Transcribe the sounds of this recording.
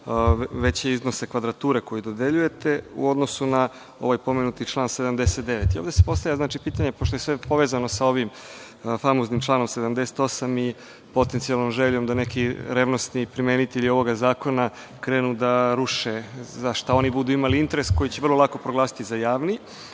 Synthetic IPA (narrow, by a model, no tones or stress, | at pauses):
ʋe̞t͡ɕeizno̞se̞kʋad̪ɾat̪uːɾe̞ko̞jid̪o̞d̪e̞ʎuje̞t̪e̞ṵo̞d̪nosuna | o̞̰ʋajpo̞me̞nut̪it͡ʃlˠaːnse̞d̪amd̪e̞set̪̚d̪e̞ʋet̪ioʋd̪ese̥po̞st̪avʎʲaznaːt͡ʃipiːt̪aɲe̞poʃt̪ojesʋepo̞ʋezano̞sao̞ʋim | famoznimt͡ʃlˠaːno̞mse̞d̪amd̪e̞se̥t̪o̞sami | po̞t̪ent̪sijalˠno̞mʒeʎo̞md̪ane̞kiɾeʋno̞snipɾimenit̪eʎio̞ʋo̞ɡazaːko̞na | kɾe̞ːnud̪aɾuʃezaʃt̪ao̞nibud̪uːimaliint̪e̞ɾesko̞jit͡ɕeʋrlˠolako̞pɾoɡlˠaːsi̥t̪izajaːʋni